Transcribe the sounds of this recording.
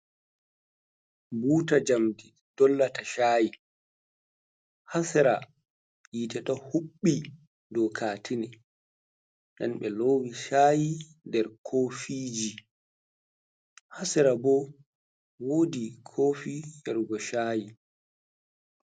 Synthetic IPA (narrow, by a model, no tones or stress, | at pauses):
buːtad͡ʒamdi | d̥ɔlːataʃaːji | hasɛɾa | jiːtɛtɔhuɓːi | dɔkʰaːtʰinɛ | ɗa̰nɓɛloːwiʃaːji | ndɛɾkʰoːfiːd͡ʒi | hasɛɾabɔ | wodikʰofijɛɾɡɔʃaːji